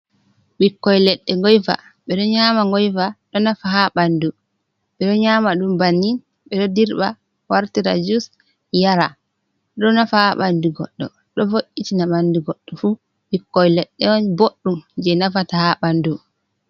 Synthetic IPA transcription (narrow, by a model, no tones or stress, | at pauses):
ɓikːɔjlɛɗːɛŋɡɔjfa̰ | ɓɛɗɔɲamaŋɡɔjfaɗɔnafahaɓandu | ɓɛɗɔɲaːmaɗumbanːin | ɓɛɗɔdiɾɓa | waɾtiɾa̰d͡ʒus | jaɾa | ɗɔnafahaɓanduɡɔ̰ɗːɔ̰ | ɗɔfoʔitinaɓanduɡɔɗːɔfu | ɓikːɔjlɛɗːɛɔnboɗːumd͡ʒɛnafatahaɓandu